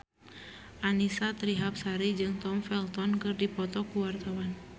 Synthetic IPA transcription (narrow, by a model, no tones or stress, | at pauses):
ʔanisat̪ɾiɦap̚saɾid͡ʒɨŋt̪ɔmfɛlt̪ɔnkɨrdipɔt̪ɔkuwart̪awan